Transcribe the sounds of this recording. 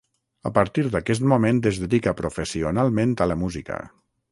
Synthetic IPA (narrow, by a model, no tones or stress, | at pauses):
əpəɾt̪iɾðəkɛs̬t̪mumẽnt̪ezðəðikəpɾufəsiunalˠmẽnt̪ələmuzikə̰